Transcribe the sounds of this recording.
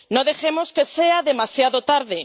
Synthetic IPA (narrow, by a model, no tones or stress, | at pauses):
nõðexemoskeseaðemasjaðot̪aɾðe